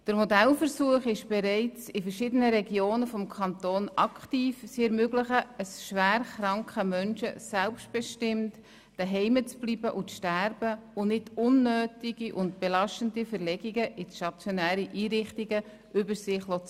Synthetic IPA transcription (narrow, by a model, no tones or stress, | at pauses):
d̥əɾmodælfəɾsuəχɪʃb̥ɛɾɛɪt͡sɪfəɾʃɪdənəɾɛɡjoːnəfɔmkʰɑnt̪oːnɑkχtiːfsɛɾmøɡləχəəsʃʋæːɾχɾɑŋkəmœnʃəsɛlpsʃt̚b̥ɛʃtɪmt | d̥əɦɛɪmət͡sb̥libəʔʊt͡sʃtæɾb̥əʊnɪtʊnːøːtiɡiʔʊntb̥ɛlɑʃtəndifəɾlɛɡiɡəʔɪʃɑt͡sjɔnæːɾiʔiːɾɪχtiɡə | ʔʏbəɾsɪχlɔt͡s